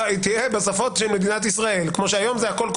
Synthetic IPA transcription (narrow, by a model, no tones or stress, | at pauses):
it̪ijebesafo̞tʃelmed̪inat̪̬isʁae̞lkmo̞ʃeajo̞mzehako̞lk